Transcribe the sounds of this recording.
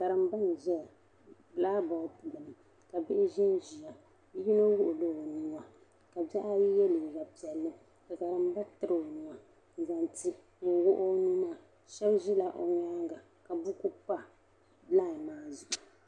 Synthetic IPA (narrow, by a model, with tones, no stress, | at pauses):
ka˨ɾɨ˨m˦ba˦n˨ʒɛ˦˨ | blaː˦ba˨˦pu˨lɨ˨m˨ | ka˨bɪ˦ʔɪ˦ʒi˦n˦ʒi˨a˨˦ | ji˦no˦wʊ˦ʔʊ˨lo˦o˨nu˦ŋa˨ | ka˨ba˦ʔa˦ji˦jɛ˦li˨ɡa˨pi˨ɛ˨lːɨ˦ | ka˨ka˨ɾɨ˨m˦ba˦tɨ˦ɾɨ˨o˨nu˨ma˨ | n̩˨za˨nti˨ | ŋ̩˨wʊ˦ʔo˦nu˦ma˦ | ʃɛ˦bʒi˦la˨ʔo̰˨ɲa˦ŋɡa˨ | ka˨bu˦ku˦pa˦ | bla˦˨maː˦zu˨ʔu˨